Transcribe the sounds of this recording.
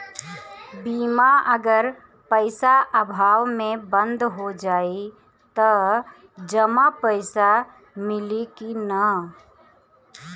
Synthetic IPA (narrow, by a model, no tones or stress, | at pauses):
biːmaʔəɡəɾ | pəɪsaʔəbʱaːwmẽbə̃nd̪ʱɦod͡ʒaːi | t̪ə | d͡ʒəmapəɪsa | mɪlikinə